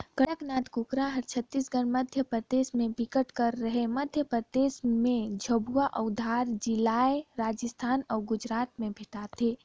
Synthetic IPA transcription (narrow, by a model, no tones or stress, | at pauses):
kəɽəknaːt̪kukɾaɦəɾt͡ʃʰət̪ːisɡənməd̪ʱjəpɾəd̪eːsmẽbɪkəʈkəɾːəɦeməd̪ʱjəpɾəd̪eːsmẽd͡ʒʱəbuaʔəʊd̪ʱaːɾd͡ʒɪlaːeɾaːd͡ʒəst̪ʰaːnɔːɾɡʊd͡ʒɾaːt̪mẽbʱɪʈat̪eː